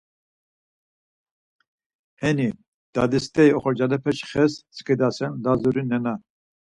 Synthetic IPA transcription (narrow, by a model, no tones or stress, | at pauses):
hɛni | d̪̥a̰d̪ist̪ʰʼɛiɔχɔɾd͡ʒalɛpʰɛʃχɛst͡sʰʼkʰʼɛd̪asɛnlazuɾinɛna